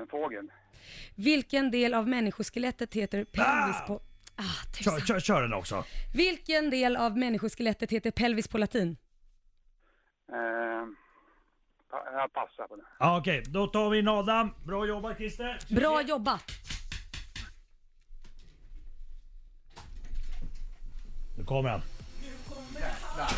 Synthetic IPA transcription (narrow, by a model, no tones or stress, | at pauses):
ɛnfoːɡəl | vɪlkənd̪eːlavmɛnːɪɧʊʂkəlɛt̪ːət̪heːt̪əɾpʰɛlvɪspʰɔaːt̪ʰɛɕœːɾɛnɔ̰ksɔ̰vɪlkənd̪eːlavmɛnːɪɧʊʂkɛlɛt̪ːət̪heːt̪əɾpʰɛlvɪspʰɔlat̪ʰiːn | pʰajapʰasːapʰɔd̪ɛaɔkɛjd̪ɔt̪ʰɑːvɪnɑːd̪abɾɑːjɔbːakʰɾɪst̪əbɾɑːjɔbːa | nʉkʰɔmːəɾɛ̰nʰɔ